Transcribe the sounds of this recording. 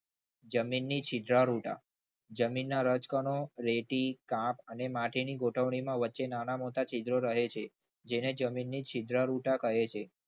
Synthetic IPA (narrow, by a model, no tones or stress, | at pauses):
d͡ʒəminːit͡ʃʰid̪ɾaɾuʈa̰ | d͡ʒəminːaɾət͡ʃkəɳoɾeʈikãpənemãʈʰiniɡoʈʰəʋɳimãʋətːʃenanamot̪at͡ʃid̪ɾoɾəɦet͡ʃʰe | d͡ʒened͡ʒəminːit͡ʃʰid̪ɾaɾuʈakəɦet͡ʃʰe